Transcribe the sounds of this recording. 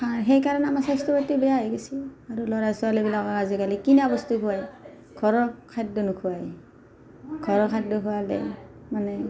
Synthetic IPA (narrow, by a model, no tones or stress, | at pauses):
aɦejkaɹɔnamasajstɔpatːibɛjaɦeɡesiaɹulɔɹasualibilakɔkazikalikinabɔstukʰuwaj | ɡ̥ʰʱɔɹɔkʰat̚dɔnʊkʰuwaj | ɡʱɔɹɔkʰat̚dʊkʰuwalɛ̰ | manɛ